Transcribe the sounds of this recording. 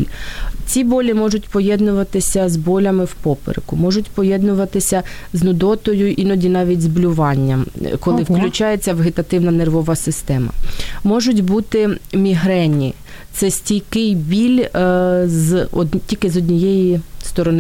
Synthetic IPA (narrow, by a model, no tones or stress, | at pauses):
lʲt͡sʲibɔlʲimɔʒʊtʲpɔjɛd̪nʊʋɐt̪ɪsʲɐzbɔlʲɐmɪwpɔpɪ̰ɾɪ̰kʊmɔʒʊtʲpɔjɛd̪nʊʋɐt̪ɪsʲɐ | znʊd̪ɔt̪ɔjʊʔinɔdʲinɑʋʲitʲzblʲʊʋɑnʲːɐmkɔlˠɪwklʲʊt͡ʃɑjet͡sʲːɐʋeɦɪt̪ɐt̪ɪwnɐnerʋɔʋɐsɪst̪ɛmɐ̰mɔʒʊt̬ʲbut̪ɪmʲiɦɾɛnʲːḭ | t̪sɛsʲtʲijkɪjbʲilʲ | ztʲikɪzɔdʲnʲijɛjist̪ɔɾɔn